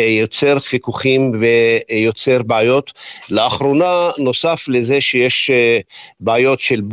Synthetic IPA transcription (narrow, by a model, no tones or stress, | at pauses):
jot͡seʁχikuχimvejo̞t͡se̞ʁbeajo̞t̪leaχɾonano̞saflezeʃejeʃ | beajo̞tʃelb